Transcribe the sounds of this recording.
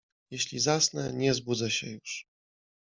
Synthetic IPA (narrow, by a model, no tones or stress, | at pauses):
jɛɕlʲizasnɛɲɛzbud̪zaɕɛjuʂ